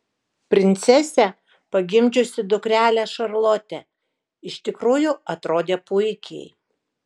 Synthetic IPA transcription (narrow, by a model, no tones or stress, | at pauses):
pʲɾʲɪnʲt̪sʲɛsʲæ | pɐɡʲɪmʲd͡ʒʲʊsʲɪd̪ʊkɾʲæːlʲæʃɐɾlˠoːt̪ʲɛ | ɪʃʲt̪ʲɪkɾuːjʊɐt̪ɾoːd̪ʲeːpʊɪkʲɛ̰ɪ